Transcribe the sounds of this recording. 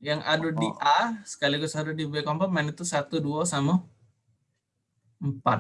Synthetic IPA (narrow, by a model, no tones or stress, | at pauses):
jaŋʔadudiʔasə̥kaliɡusadudibeɛkɔmpɔt̪̚manit̪usat̪uduasama | mpat̪̚